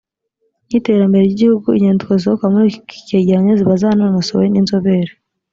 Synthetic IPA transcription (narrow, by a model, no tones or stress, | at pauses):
nite̞ːɾambe̞ɾejiɟihuɡuiɲeːndikoz̬iokamuɾiki̥ceːɟeɾaɲeziβazaːnomasoweninzoβeɾe